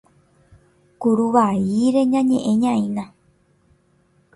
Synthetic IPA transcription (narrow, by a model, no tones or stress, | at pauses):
kuɾuʋaiɾe̞ɲãɲẽʔẽɲãĩnã